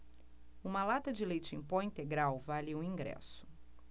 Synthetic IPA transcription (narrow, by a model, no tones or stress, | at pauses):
ũmɐlat̪ɐd͡ʒɪlejt͡ʃĩpɔ̃ĩnt̪eɡɾawvalɪũĩŋɡɾɛ̰sʊ̥